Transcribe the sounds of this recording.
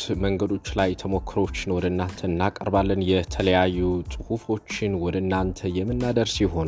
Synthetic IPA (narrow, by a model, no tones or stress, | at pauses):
məŋɡəd̪o̞t͡ʃːlajt̪ʰəmo̞kʰːɨɾo̞t͡ʃːnəwɔd̪əɨnːant̪ʰəɨnːakʼəɾbalːənjɛt̪ʰələjajːusʼɨhufo̞t͡ʃːɪnwɔd̪ənːant̪ʰəjɛmːɨnːad̪əɾsjɛɦo̞n